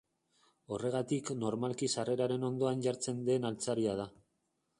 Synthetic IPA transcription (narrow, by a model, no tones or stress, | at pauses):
o̞re̞ɣ̞at̪ikno̞ɾmalkisare̞ɾaɾe̞no̞nd̪o̞anɟaɾt͡se̞nd̪e̞nalt͡saɾiað̞a